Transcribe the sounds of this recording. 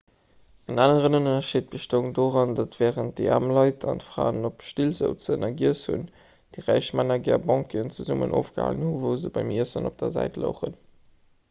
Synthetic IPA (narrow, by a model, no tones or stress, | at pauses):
ənaːnəʁənununɐʃiːt̚b̥əʃtoːŋdoːʁɑndɑtv̥ɛːʁənt̚d̥əa̰ːmlɑɪtʰɑ̰ntfʁa̰ːənopʃtilzə̰ʊt͡sənɑɡiəshṵn | d̥iʁæɪʃmanɐɡɛːɐbɑŋkəənt͡suzumə̰nʔo̰ːfɡ̥əha̰ːlənhuvəʊzəbɑɪmiəsənop̚d̥ɐzæ̰ɪtlə̰ʊχən